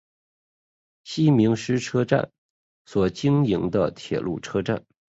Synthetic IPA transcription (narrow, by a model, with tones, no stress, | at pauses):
ɕi˥mi˧˥ŋʂɻ̩˥ʈ͡ʂʰɤ˥ʈ͡ʂa̰˥˩n | swɔ˨˩t͡ɕi˥ŋi˧˥ŋd̪ə˧t̪ʰjɛ̰˨˩lṵ˥˩ʈ͡ʂʰɤ˥ʈ͡ʂa̰˥˩n